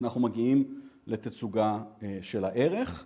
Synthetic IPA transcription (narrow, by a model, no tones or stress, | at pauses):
naχnumaɡiimlet̪at͡suɡaʃe̞laʔeʁe̞χ